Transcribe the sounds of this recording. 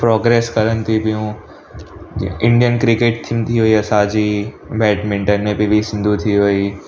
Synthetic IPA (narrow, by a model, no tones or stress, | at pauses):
pɾɔːɡɾeːskɐɾənt̪ʰipijũː | ɪ̃ɳɖijənkɾɪkeːʈ̚t̪ʰit̪ʰiɦoːiɐsad͡ʒi | bɛːʈmɪ̃ɳʈənːẽbʱibʱisɪ̃nd̪ʱut̪ʰiɦoːiː